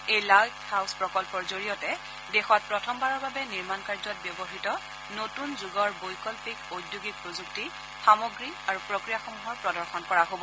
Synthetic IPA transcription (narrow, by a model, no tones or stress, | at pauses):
ejlakhawspɹɔkɔlpɔɹzoɹijɔtɛ | dɛxɔt̚pɹɔtʰɔmbaɹɔɹbabɛniɹmankaɹzɔt̚bjɔbɔɦitɔ | notunzuɡɔɹbojkɔlpikodjuɡik̚pɹozuk̚ti | xamɔɡɹiaɹupɹokɹijaxɔmuɦɔɹpɹɔdɔɹxɔnkɔɹaɦobɔ